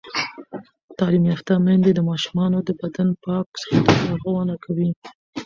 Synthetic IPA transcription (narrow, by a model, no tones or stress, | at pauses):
t̪ɑlimjɑft̪amand̪ed̪əmɑʃu̥mɑnod̪əbad̪anpɑksə̥xat̪alaɾɣwanakʰawi